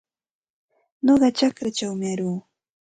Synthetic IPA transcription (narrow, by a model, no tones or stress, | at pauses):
noɢɑt͡ʃakɾat͡ʃawmɪaɾuː